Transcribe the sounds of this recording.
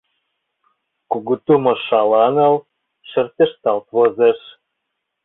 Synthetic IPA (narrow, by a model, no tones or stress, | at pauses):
kuɣut̪umŏʃɑlɑnɤ̆l | ʃĕrt̪ĕʃt̪ɑlt̪βozeʃ